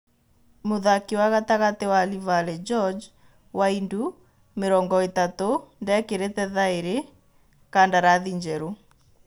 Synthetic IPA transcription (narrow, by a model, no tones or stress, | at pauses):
moðakiwaɣataɣatewalivalɛd͡ʒɔd͡ʒ | waindu | meɾɔːŋɡɔetatondɛkeɾetɛðaeɾe | kandaɾaðiɲd͡ʒɛɾo